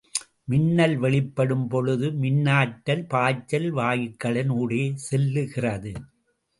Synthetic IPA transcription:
mɪnːɐlʋɛɭɪpːɐɽɯmpɔɻɯðɯmɪnːaːʈːɐlpaːt͡ʃːɐlʋaːjɪkːɐɭɪnuːɽeːsɛlːɯɣɪrɐðɯ

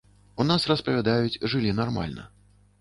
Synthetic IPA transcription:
unasrɐspɐvʲad̪ajut͡sʲʐɨlʲinarma̰lʲnɐ̰

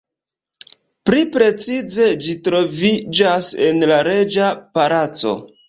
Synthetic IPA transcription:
plipɾe̞t͡size̞d͡ʒitɾo̞vid͡ʒasenlaɾe̞d͡ʒapaɾat͡so̞̰

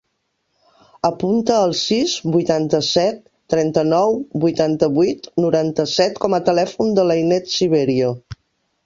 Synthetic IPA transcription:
əpunt̪əːlˠsizbujt̪ant̪əsɛt̪ːɾɛnt̪ənɔwbujt̪ant̪əβuuijt̪nuɾant̪əsɛt̪kɔmət̪əlɛfund̪ələjnɛt̪siβ̞eɾio

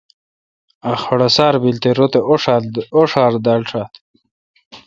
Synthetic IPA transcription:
aχɐɽasaːɾbilt̪eɾot̪eʂoʂaːɾd̪alʈ͡ʂʰat̪

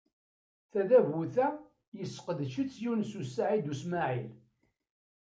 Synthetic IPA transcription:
θæðævuθæ | jəsə̥qəðʃət͡sːjunsusaʕid̪usmaʕil

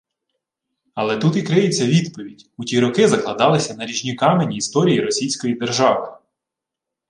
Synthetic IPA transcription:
ɐlˠɛt̪ut̪ikɾɪjet͡sʲːɐʋʲid̪pɔʋʲidʲutʲiɾɔkɪzɐklˠɐd̪ɑlˠɪsʲɐnɐɾʲiʒnʲikɑmenʲiːst̪ɔɾʲijiɾɔsʲijsʲkɔjid̪erʒɑʋɪ

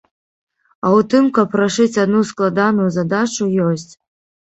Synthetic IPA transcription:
aut̪ɨmkapːraʂɨt͡sʲad̪nusklˠad̪anujuzad̪at͡ʃujosʲt͡sʲ

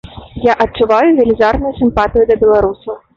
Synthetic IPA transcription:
jaʔɐt͡ʂːuvajuvʲɛlʲizarnʊjusʲɨmpat̪ɨjud̪ɐbʲɛlˠaɾusɐw

